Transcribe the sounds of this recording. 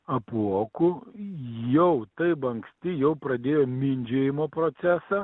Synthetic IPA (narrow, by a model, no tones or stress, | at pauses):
ɐpuɔkʊ | jɛʊt̪ɐɪpɐŋksʲt̪ʲɪjɛʊpɾɐd̪ʲeːjoːmʲɪnʲd͡ʒʲeːjɪmoːpɾoːt̪sʲæːsɐː